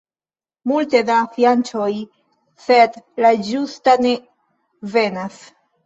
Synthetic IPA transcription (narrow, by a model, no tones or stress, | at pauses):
multe̞dafiant͡ʃo̞j | sedlad͡ʒustane̞ | ve̞nas